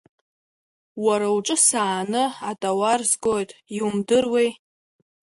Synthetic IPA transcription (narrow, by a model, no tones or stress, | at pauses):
waɾawʈ͡ʂʼɨsaːnɨatʼawarzɡʼo̞jtʼiumdɨrwej